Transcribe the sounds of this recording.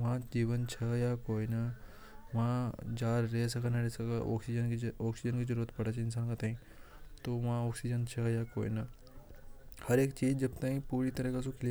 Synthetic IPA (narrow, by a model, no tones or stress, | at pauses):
mãd͡ʒiːʋənt͡ʃʰɐjakoːinɐ | mãd͡ʒaːɾːeɦs̬ɐkʰanaɾesɐkaɔ̰ːksid͡ʒənɔːksid͡ʒənkizəɾuːɾət̪pɐɽ̤at͡ʃʰɪns̬aːnkat̪aːɦĩ | t̪oːmãoːksid͡ʒənt͡ʃʰɐjako̰ːḭnɐ | hɐɾeːkt͡ʃiːd͡ʑd͡ʒɐbt̪aːɦĩpuːɾit̪ɐɾəkasukʰil